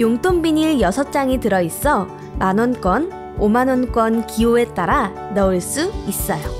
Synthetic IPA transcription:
joŋt͈ʰoŋbiɲiɭjʌsʰʌt͡ɕ͈aŋitɯɾʌis͈ʌ | manwʌnk͈wʌn | omanwʌnk͈wʌnkioe̞t͈aɾa | nʌɯɭs͈uis͈ʌjo

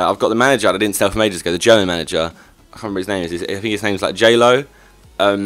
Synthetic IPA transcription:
a̰ɪvɡɒʔðəmanɪd͡ʒəə̃aɪdɪdⁿn̩tsɛlˠfəmeɪd͡ʒəzəɡəʊðəd͡ʒɜːmə̃nmanɪd͡ʒə | aɪkʰɑ̃ːnbiɪznẽɪ̃mɪzɪzaɪθɪ̃ŋkɪsnẽɪ̃ɪzlaɪk̚ʒ̥eɪləʊ | ʌ̃m

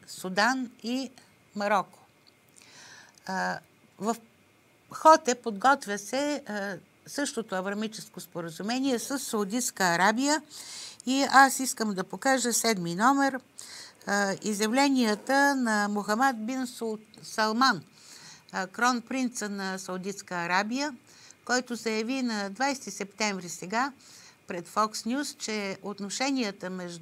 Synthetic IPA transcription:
sud̪ani | mɐɾɔko̥ | vɐf | xɔt̪ɛpod̪ɡɔt̪vʲjəsɛ | sɤʃt̪ot̪oɐvɾɐmit͡ʃɛskospoɾəzumɛniɛsəsːɐud̪it̪skəːɾabijə | iasiskəmd̪ɐpokaʒəsɛd̪minɔmɛɾ | izjɐvlɛniət̪ənɐmoxɐmɛd̪̚binssɐlˠman | kɾɔnpɾint̪sənɐsɐud̪it̪skəːɾabijə | kɔjt̪ozɐjɐvinɐd̪vajst̪isɛpt̪ɛɱvɾisɛɡapɾɛt̪fɔksnʲjust͡ʃɛot̪noʃɛniət̪əmɛʒ

